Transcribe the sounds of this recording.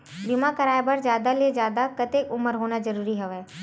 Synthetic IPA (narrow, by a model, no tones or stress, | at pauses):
bɪmakɐɾaːebɐɾzjaːd̪alezjaːd̪akɐt̪ekʊməɾɦoːnazɐɾuːɾiɦɛʋɛː